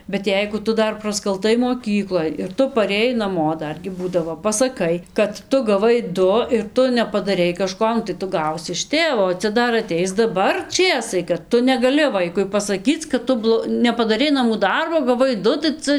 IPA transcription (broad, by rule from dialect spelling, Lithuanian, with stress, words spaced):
bʲɛt ˈjɛɪɡʊ ˈtʊ ˈdɐr prɐskɐlˠˈtɐɪ moːˈkʲiːklˠoːj ɪr ˈtʊ pɐrʲeːˈjɛɪ nɐˈmoː ˈdɐrʲɡʲɪ ˈbuːdɐʋoː pɐsɐˈkɐɪ kɐt ˈtʊ ɡɐˈʋɐɪ ˈdʊ ɪr ˈtʊ nʲɛpɐdɐˈrʲɛɪ kɐˈʃkoː nʊ tɐɪ ˈtʊ ˈɡɐʊsʲɪ ɪʃ ˈtʲeːʋoː oː ˈt͡sʲɛ ˈdɐr ɐˈtʲɛɪs dɐˈbɐr ˈt͡ʃʲeːsɐɪ kɐt ˈtʊ nʲɛɡɐˈlʲɪ ˈʋɐɪkʊɪ pɐsɐˈkʲiːt͡s kɐt ˈtʊ blˠoː nʲɛpɐdɐˈrʲɛɪ nɐˈmuː ˈdɐrboː ɡɐˈʋɐɪ ˈdʊ tɐɪ ˈt͡sɐ